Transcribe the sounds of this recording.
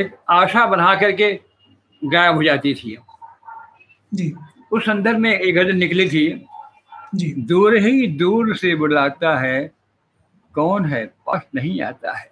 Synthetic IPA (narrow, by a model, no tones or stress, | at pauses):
eːkaːʃabɐn̤akɐɾke | ɡaːjəbɦod͡ʒaːt̪it̪ʰḭ | d͡ʒiː | ʊsːɐ̃nd̪əɾbʱmẽeːɡəd̪ɾnɪklit̪ʰi | d͡ʒid̪uːɾɦid̪uːɾsebʊɽ̤laːɡ̚t̪aɦɛː | kɔːnɦɛːpɐʃnɐɦĩa̰ːt̪a̰ɦɛː